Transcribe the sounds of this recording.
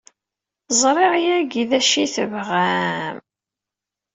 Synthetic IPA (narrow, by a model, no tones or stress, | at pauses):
zˤɾˤeʁjæɡiðæʃiθəvʁæm